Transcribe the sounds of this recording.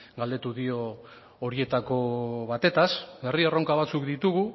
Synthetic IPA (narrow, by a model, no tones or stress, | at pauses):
ɡald̪et̪uðio̞ː | ɾie̞t̪ako̞βat̪e̞t̪asbe̞riero̞ŋkaβ̞at͡sukd̪it̪uɣu